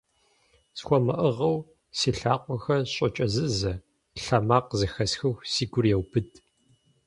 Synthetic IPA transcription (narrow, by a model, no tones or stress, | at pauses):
sxʷɔmɐʔəʁɐw | siːɬaːqʷʼɔxɐɕʼɐt͡ʃʼɐzɨzɐ | ɬɐmaːqzɨxɐsxɨxʷsiːɡʷʊrjɛwpʰɨdʰ